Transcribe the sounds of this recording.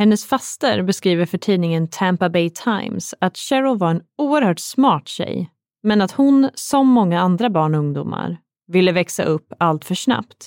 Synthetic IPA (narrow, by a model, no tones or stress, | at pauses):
hɛnːəsfast̪əɾbɛskɾiːvəɾfœʈʰiːnɪŋənt̪ʰæmpabɛɪt̪ʰaɪmsat̪ɕɛɾʊvaɾɛnuːəɾhœːʈsmɑːʈɕɛ̰j | mɛnat̪hʊnsɔmːɔŋːaand̪ɾabɑːɳɔɵŋd̪ṵːma̰ɾ | vɪlːəvɛksa̰ʔɵpːalt̪fœʂna̰pt̪